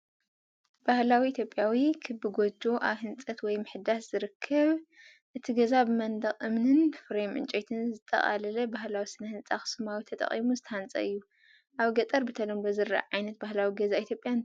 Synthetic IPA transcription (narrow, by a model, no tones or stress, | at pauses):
b̥ahlawiit̪ʰjo̞pʼːjawikʰɨbɨɡod͡ʒo̞ʔaβhɨnt͡sʼɐt̪wɔjmɨħd̪asz̥ɨɾɨkʰːɐβ | ʔɨt̪ʰiɡɐzabɨmɐnd̪ɐχʼʔɨmnɨnfɾemʔɨ̰nt͡ʃʼojt̪ʰɨnzɨt̪ʼːɐ̰χʼa̰lɐlɐbahlawisɨnɐhɨnt͡sʼaxɨ̥sɨmawit̪ʰɐt̪ʼɐ̰χʼimuzɨt̪ʰɐhant͡sʼɐ̰ɨjːu | ʔaβɡɐt̪ʼɐɾbɨt̪ʰɐlombɐzɨɾːa̰ʕajnɐt̪̚bahlawiɡɐzait̪ʰjopʼjan